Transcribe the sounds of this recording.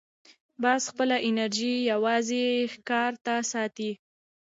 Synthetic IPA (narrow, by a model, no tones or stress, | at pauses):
bɑsxpəlaʔɪnaɾʒijawɑzexkɑɾt̪asɑt̪i